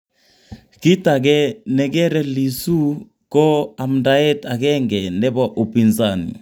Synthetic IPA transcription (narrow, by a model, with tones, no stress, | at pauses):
ki˦ta˨ɡɛ˦nɛ˨ɡɛ˦ɾɛ˦li˨su˦ | kɔ˦a˨mnda˨ɛ˦ta˨kɛ˦ŋɡɛ˨ndɛ˦bɔ˦ʔo˨pi˨nsa˦nḭ˨